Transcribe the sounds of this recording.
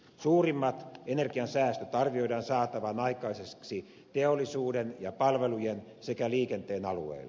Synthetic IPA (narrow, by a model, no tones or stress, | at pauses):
suːrimːɑt̪enerɡ̥iɑnsæːst̪øt̪ɑrʋio̞idɑːnsɑːt̪ɑʋɑnɑikɑisesksi | t̪eolːˑisuːdenjɑpɑlʋelujensekæliːkent̪eːnɑlṵḛilː